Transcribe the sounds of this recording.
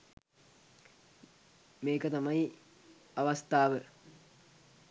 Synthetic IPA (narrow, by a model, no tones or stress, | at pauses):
meːkət̪ɐmɐi | ɐʋɐst̪aːʋə